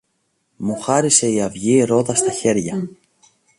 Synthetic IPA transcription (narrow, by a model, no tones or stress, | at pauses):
muxɐɾise̞iɐvʝiɾoðɐst̪ɐçe̞ɾʝɐ